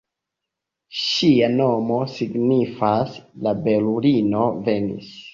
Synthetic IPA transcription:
ʃiano̞mo̞siɡnifaslabe̞lulino̞ve̞nḭs

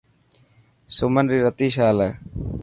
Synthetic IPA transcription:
sʊmənɾiːɾət̪iːʃaːlə

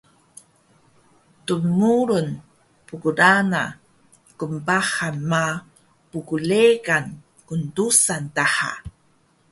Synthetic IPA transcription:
tunmuɾun | pukuɾana̰ | kumpahanma | pukulekan | kundusantaha̰

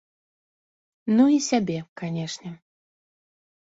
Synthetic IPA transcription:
nuisʲabʲɛkanʲɛʂnʲɛ

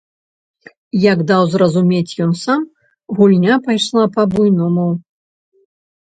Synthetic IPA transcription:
jɐɡd̪awzɾɐzumʲet͡sʲjɔnsam | ɣulʲnʲapajʂlˠapɐbujnɔmuw

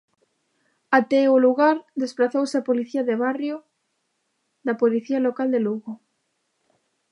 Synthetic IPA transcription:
at̪ɛʊluɣaɾðespɾaθowseapoliθiɐðeβarjo | ðɐpoliθialokald̪eluɣo

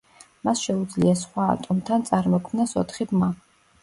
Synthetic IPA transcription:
masʃɛud̪zliasχwa̰ːt̪ʼɔmt̪ʰant̪sʼaɾmɔkʰmnasɔ̰t̪ʰχibma

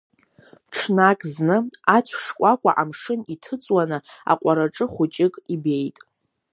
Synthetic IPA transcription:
ʈ͡ʂʰnakʼznɨat͡ɕʷʰʂkʷʼakʷʼa̰ʔamʂɨnitʰɨt͡sʼwanɨa̰qʷʼaɾaʈ͡ʂʼɨχʷʊt͡ʃʼɪkʼibe̞jtʼ

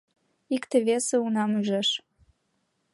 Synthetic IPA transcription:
ikt̪ĕvesə̆unɑmyʒeʃ

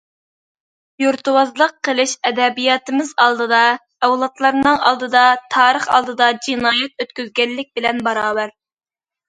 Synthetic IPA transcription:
joɾt̪uwɑzlˠəqʰːəlˠɨʃɛd̪ɛbijɑːt̪ɨmɪzɑlˠd̪ɨd̪ɑ | ɛwlˠɑt̪lˠɑɾnɨŋɑ̰lˠd̪ɨd̪ɑt̪ʰɑːɾəχɑ̰lˠd̪ɨd̪ɑd͡ʒinɑːjɛt̪̚øt̪kʲyzɡʲɛlːɪk̚ʲbɪlɛnbɑɾɑːbæɾ

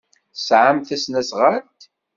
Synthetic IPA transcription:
sʕamθæsnæsʁaɾt̪

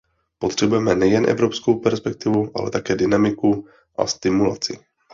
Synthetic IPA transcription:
po̞t̪r̝̥ɛbujɛmɛnɛjɛnʔɛ̰vɾopskowpɛɾspɛk̚t̪ɪvuʔa̰lɛ̰t̪akɛːdɪnamɪku | ʔa̰st̪ɪmula̰t͡sɪ̰

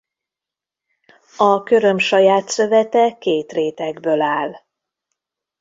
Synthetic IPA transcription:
ɒkø̞ɾø̞mʃɒjaːt̪sø̞vɛt̪ɛkeːt̪reːt̪ɛɡbølaːl

